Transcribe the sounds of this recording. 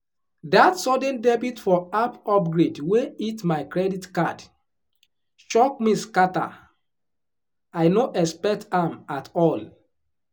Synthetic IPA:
datsɔdə̃ndɛbitfɔapɔp̚ɡɹedweitmaɪkɹɛditkad | ʃɔk̚miskata̰ | ajnoʔɛspɛk̚tãmatɔl

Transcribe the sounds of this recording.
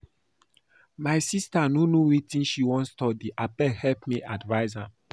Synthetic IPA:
majsistanonowitĩnʃiwɔ̃nstɔdiʔapɛhɛlpmiʔadvaɪzãm

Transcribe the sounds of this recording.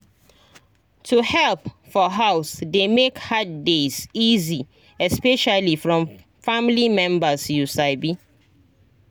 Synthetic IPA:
tʰuhɛlp | fɔɦaʊsdemekhad̚dezizi | ɛspɛʃalifɹɔ̃m | famlimɛ̃mbəsjusaɪbi

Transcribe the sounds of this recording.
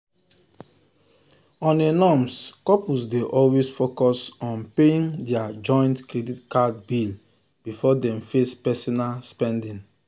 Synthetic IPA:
ɔ̃nenɔmskɔpusdeʔɔlwesfokɔsɔ̃npeĩŋdɛad͡ʒɔ̃j̃ntkɹeditkadbil | b̥ifɔdɛ̃mfespɛsɔnalspɛ̃ndĩŋ

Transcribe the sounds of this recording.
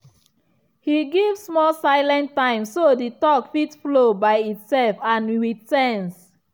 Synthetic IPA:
hiɡivsmɔsaɪlɛ̃ntːãɪ̃msoditɔkfitflobaɪitsɛlfãnɹitɛns

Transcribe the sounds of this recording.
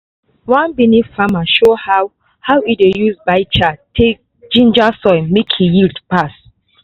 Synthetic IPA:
wãnbinifamaʃohaw | hawidejuzbaɪt͡ʃatʰek̚ | d͡ʒĩnd͡ʒasɔɪmikʰijildpas

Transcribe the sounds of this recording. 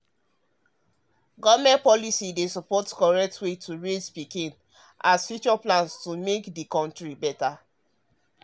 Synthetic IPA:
ɡɔvmɛ̃ntpɔlisidesɔpɔtkɔɹɛk̚tʰwetʰuɹed͡ʒpikĩn | ʔasfjut͡ʃɔplãnstumekdikɔ̃ntɹibɛta

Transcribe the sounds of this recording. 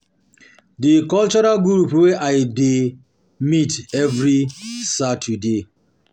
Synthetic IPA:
dikɔlt͡ʃɔɾalɡɾɾupweʔaɪde | mitɛvɹisatʰude

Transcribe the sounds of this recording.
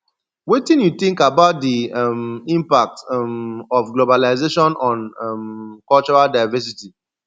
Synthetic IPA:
wetĩnjuθĩŋkabaʊt̚dimĩmpak̚tmɔfɡlobalaɪzeʃɔ̃nɔ̃nmkɔlt͡ʃɔɹaldaɪvɛs̬iti

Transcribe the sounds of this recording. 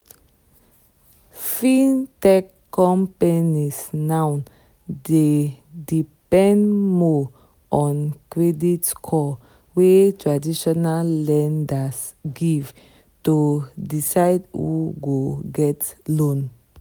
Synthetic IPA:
fĩntɛkːɔ̃mpanisnãwn | de | dipɛ̃ndmɔ | ʔɔ̃nkɹɛditkʰɔ | wetɹadiʃɔnalːɛ̃ndasɡiv | tudisaɪdhṵɡoɡɛtlõn

